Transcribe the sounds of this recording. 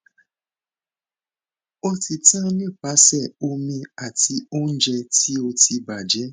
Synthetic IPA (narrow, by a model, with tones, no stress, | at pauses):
o˦ti˨tã˦ni˦˨pa˨˦sɛ˦˨o˦mi˦a˨ti˧o˦n̩˦d͡ʒɛ˧ti˦o˧ti˦ba˨d͡ʒe˦